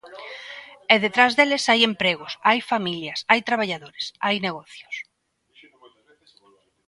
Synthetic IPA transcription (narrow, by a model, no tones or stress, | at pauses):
ɛðet̪ɾazðelesajempɾeɣ̞ʊsajfamiljasajt̪ɾaβaʎaðoɾesajneɣɔθjos